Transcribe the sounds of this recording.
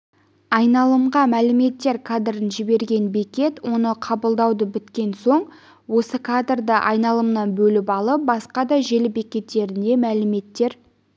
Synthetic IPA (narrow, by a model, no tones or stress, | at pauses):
ɑjnɑlˠəmʁɑmælɪme̞t̪ːe̞ɾkʰad̪rənʒɪbe̞ɾɡʲe̞nbekʲe̞t̪wo̞nəqʰɑbəlˠd̪ɑwd̪əbɪt̪kʲe̞nso̞ɴ | wo̞səkʰad̪rd̪əʔɑ̰jnɑlˠəmnɑnbɵlɪpɑlˠəp̚bɑsqɑd̪ɑʒe̞lɪbekʲe̞t̪ːe̞ɾɪnd̪e̞mælɪme̞t̪ːe̞ɾ